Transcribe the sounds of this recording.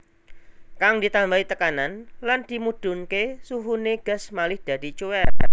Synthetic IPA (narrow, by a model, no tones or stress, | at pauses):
kaŋdi̤t̪ambait̪əkananland̥̪i̤mud̥ṳŋkesuɦuneɡ̥a̤smalɪhd̪̥a̤d̥i̤t͡ʃuweɾ